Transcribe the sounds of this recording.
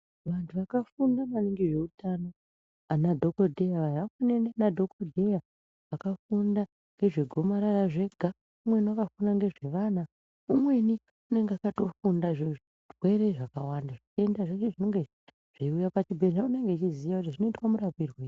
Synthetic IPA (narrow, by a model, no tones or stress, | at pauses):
ʋantʰuʋakafundamaniŋɡiʐe̞utʰano | anadʱo̞kodʱe̞jaʋajakenenenadʱo̞kodʱeja | ʋakafunda | ŋɡe̞ʐe̞ɡʱo̞maɾaraʐe̞ɡʱa | umwe̞nwakafundaŋɡe̞ʐe̞ʋana | umwe̞ni | une̞ŋɡeakato̞fundaʐe | rwe̞ɾe̞ʐakawandaʐit͡ʃe̞ndaʐet͡ʃeʐino̞ŋɡe | ʐ̥iujapat͡ʃibʱe̞ɮaune̞ŋɡet͡ʃizijakutiʐino̞itwamuɾapirweː